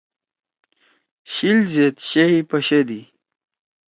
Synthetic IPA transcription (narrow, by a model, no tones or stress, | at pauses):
ɕilzet̪ɕeɦipɐɕed̪i